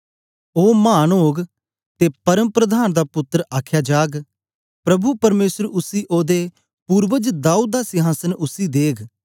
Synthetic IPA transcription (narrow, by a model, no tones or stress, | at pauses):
oːmaːnɦoːɡ | t̪eːpɐɾəmpɾəd̪aːnd̪aːpʊt̪ːɾaːkʰjaːd͡ʒaːɡ | pɾɐbupɐɾmeːsəɾʊsiːʔoːd̪e | puːɾʋəd͡ʒd̪aːuːd̪̚daːsɪɦaːsənʊsid̪eːɡ